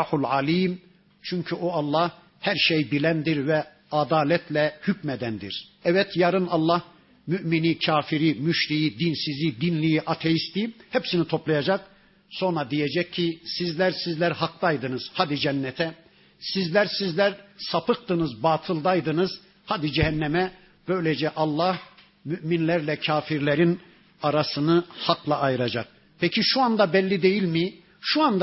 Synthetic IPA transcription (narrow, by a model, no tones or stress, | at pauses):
ħulʕaliːm | t͡ʃʰyɲcʰyoɑlˠːɑh | hæɾʃejbilʲænd̪iɾvɛ | ad̪aːlʲɛt̪ʰlʲɛhycmɛd̪ænd̪ḭɾ̥ɛvɛt̪jaɾɯnɑlˠːɑh | myʔminicʰaːfiɾimyʃɾijid̪insizid̪inlʲijiʔat̪ʰejist̪ihɛpsinit̪ʰo̞plˠajad͡ʒak̚ | so̞nɾad̪ijed͡ʒɛcʰːisizlʲæɾsizlʲæɾhak̚t̪ajd̪ɯnɯz̥haːd̪id͡ʒɛnːɛt̪ʰɛ | sizlʲæɾsizlʲæɾsapɯk̚t̪ɯnɯzbaːt̪ʰɯlˠd̪ajd̪ɯnɯz | had̪id͡ʒɛɦɛnːɛmɛ | b̥ø̞jlʲed͡ʒɛʔɑlˠːah | myʔminlʲæɾlʲɛcʰaːfiɾlʲeɾin | aɾasɯnɯhaklˠaːjɯɾad͡ʒak̚ | pʰɛcʰiʃuand̪abɛlʲːid̪e̞jilʲmi | ʃuand̪